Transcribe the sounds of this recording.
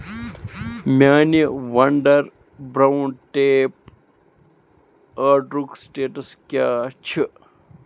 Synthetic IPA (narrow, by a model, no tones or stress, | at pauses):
mʲaːniʋɐɳɖɐɾ | bɾawɳʈeːp | əɾɖɾuksʈeːʈɐskjaːt͡ʃʰi